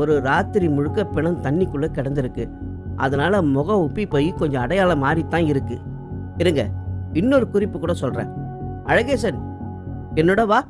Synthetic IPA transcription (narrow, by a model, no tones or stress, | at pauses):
ɔɾɯɾaːt̪ːɪɾimʊɻɯkːɐpɪɳɐnt̪ɐɳːɪkːɯɭːɐkːɛɽɐnd̪ɪɾɯkːɯ | ʔɐ̰ðɐnaːlɐmɔɣɐʊpːipoːjikɔɲd͡ʒɔ̃ɐɽɐjaːlɐmaːɾit̪ːãːɪɾɯkːɯ̰ | ɪɾɯŋɡɐ̰ɪnːɔɾɯkʊɾɪpːɯkuːɽɐsɔlrḛ̃ːʔɐɻɐɣeːsɐn | ɛnːɔɽɐʋaː